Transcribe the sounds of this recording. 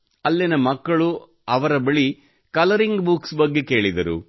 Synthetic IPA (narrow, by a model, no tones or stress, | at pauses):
ɐlːinɐmɐkːɐɭu | ɐʋɐɾɐbɐɭi | kɐlɐɾiŋɡbuksbɐɡːe̞ke̞ːɭid̪ɐɾṵ